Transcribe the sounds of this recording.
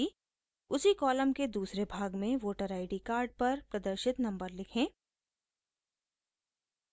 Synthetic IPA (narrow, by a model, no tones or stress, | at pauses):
i | ʊsikɔːləmked̪uːsɾebʱaːɡmẽʋoːʈəɾaːɪɖikaːɾɖ̚pɐɾpɾɐd̪əɾʃɪt̪nɐ̃mbəɾlɪkʰẽː